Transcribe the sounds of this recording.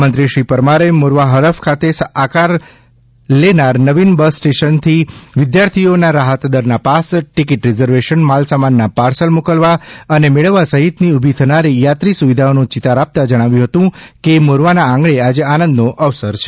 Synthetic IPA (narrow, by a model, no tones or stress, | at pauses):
mənt̪ɾiʃɾipəɾmaɾemoɾʋaɦəɾəfkʰat̪esakaɾ | lenaɾnəʋinbəsːʈeʃənt̪ʰiʋɪd̪jaɾt̪ʰionaɾaɦət̪d̪əɾnapasʈikiʈɾizəɾʋeʃənmalsamanːapaɾsəlmukəlʋaənemeɭəʋːasəɦit̪niubʱit̪ʰənaɾijat̪ɾisuʋid̪ʱaonũt͡ʃit̪aɾap̚t̪ad͡ʒəɽ̃aʋjũɦət̪ũkemoɾʋanaãŋɡɭead͡ʒeanə̃nd̪noʔəʋsəɾt͡ʃʰe̥